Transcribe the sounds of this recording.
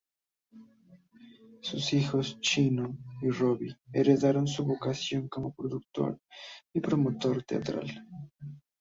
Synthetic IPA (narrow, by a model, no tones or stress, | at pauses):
susixost͡ʃinoiroβieɾeðaɾons̬uβokasjoŋkomopɾoðuk̚t̪o̰ɾipɾomot̪oɾt̪ea̰t̪ɾa̰l